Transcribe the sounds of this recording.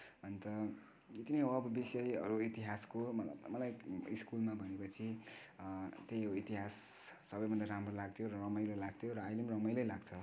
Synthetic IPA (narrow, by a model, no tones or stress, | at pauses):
ʌnit̪ʌ | it̪inʌjɦoʌbʌbisʌjʌɾuit̪iɦaskomʌmʌlajiskulmabʱʌnepʌt͡sʰi | t̪ejit̪iɦasː | ʌbʌjbʱʌnd̪aɾamrolaɡ̚t̪ʰjoɾʌrʌmʌjlʌlaɡ̚t̪ʰjoɾʌːjlemrʌmʌjlʌjlaɡt͡sʰʌ